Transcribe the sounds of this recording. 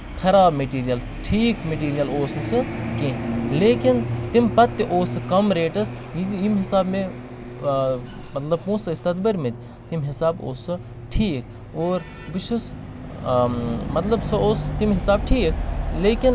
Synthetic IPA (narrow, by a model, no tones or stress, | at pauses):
kʰɐɾaːbmeʈiːɾijɐl | ʈʰiːkmeʈ̬iːɾijɐloːsnsɨkẽleːkint̪impɐt̪ːeʔoːsɨkɐmɾeːʈɐs | ijimɦɪsaːbmẽ | mɐt̪lɐb̚pũːsɨɪst̪ɐt̪bɐɾmet̪d̪ʲ | t̪imɦɪsaːbo̰ːsɨ | ʈʰiːk | oːɾ | biʃus | mɐt̪lɐbsɐoːst̪imɦɪsaːbʈʰiːkleːkin